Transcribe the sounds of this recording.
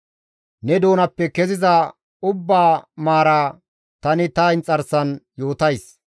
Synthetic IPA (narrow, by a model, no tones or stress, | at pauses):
nɛd̪o̞ːnɐpːɛkɛzɪzɐ | ʊbːaːmaːɾa | t̪ɐnɪt̪ɐɪnt͡sʼɐɾsɐnjo̞ːt̪ɐjs